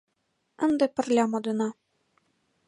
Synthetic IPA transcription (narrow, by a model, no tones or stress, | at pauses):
ɘ̆nd̪ɤ̆pɘ̆rlʲɑmod̪ɤ̆nɑ